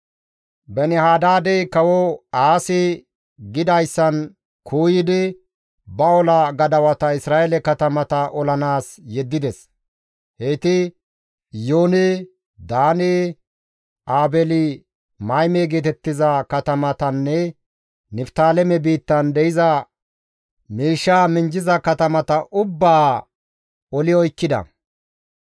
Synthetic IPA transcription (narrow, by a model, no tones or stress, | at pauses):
bɛnɪhaːd̪aːd̪ɛjkɐwɔaːsɪ | ɡɪd̪ɐjsːɐn | kʰuːjɪd̪ɪ | bɐɔlɐɡɐd̪ɐwɐt̪ɐɪsɾaːʔɛlɛkɐt̪ɐmɐt̪ɐʔɔlɐnaːsjɛd̪ːɪd̪ɛs | het̪ɪ | joːne | d̪aːneː | ʔaːbɛlɪ | mɐjmeːɡeːt̪ɛt̪ːɪzɐkɐt̪ɐmɐt̪ɐnːɛ | nɪft̪aːlɛmɛbiːt̪ːɐnd̪ɛjɪzɐ | miːʃːaːmɪɲd͡ʒɪzɐkɐt̪ɐmɐt̪ɐʔʊbːaː | ɔlɪɔjkːɪd̪ɐ̰